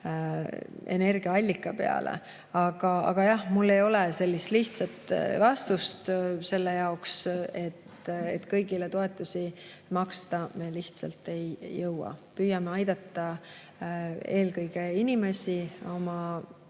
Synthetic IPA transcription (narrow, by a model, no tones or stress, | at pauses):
e̞̰ne̞rɡ̥iɑɑlʲːikːˑɑpe̞̰ɑ̰lʔḛ | ɑɡ̥ɑɑ̰ɡ̥ɑjɑhmulːe̞jo̞lese̞lʲːist̪liht̪sɑt̪ˑvɑst̪ust̪se̞lːejɑokse̞t̪ḛt̪kɤjɡilet̪o̞e̞t̪ːˑusi | mɑkst̪ɑme̞liht̪sɑ̰lt̪ːˑe̞jːɤwɑ̰pyːjɑmeɑjd̪̥ɑt̪ːɑ | e̞ːlkɤjɡ̥einime̞sio̞mɑ